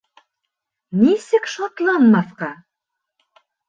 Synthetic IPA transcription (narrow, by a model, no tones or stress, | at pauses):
nisɘkʃɑt̪lˠɑnmɑθqɑ